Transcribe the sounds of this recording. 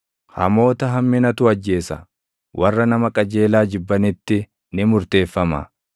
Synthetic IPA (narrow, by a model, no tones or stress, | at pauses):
hɐ̰mo̞ːt̪ɐɦɐmːɪnɐt̪ʊɐd͡ʒːe̞ːsɐ̰ | wʔɐrːɐnɐmɐkʼɐd͡ʒe̞ːlaːd͡ʒɪbːɐnɪt̪ːɪ | nɪmʊɾt̪e̞ːfːɐmɐ̰